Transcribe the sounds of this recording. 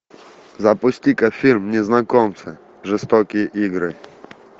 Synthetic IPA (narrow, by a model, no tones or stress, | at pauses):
zɐpʊsʲtʲikɐfʲilʲmnʲɪznɐkɔmt̪sɨ | ʐɨst̪ɔkʲɪjəʔiɡɾɨ